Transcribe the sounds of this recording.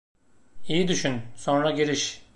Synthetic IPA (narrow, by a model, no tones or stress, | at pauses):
ijid̪yʃynso̞nɾaɟiɾiʃ